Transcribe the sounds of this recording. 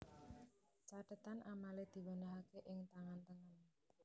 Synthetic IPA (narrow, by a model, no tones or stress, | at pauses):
t͡ʃaɖ̥ət̪anʔamaled̪̥i̤wənəɦakeʔɪŋt̪aŋant̪əŋən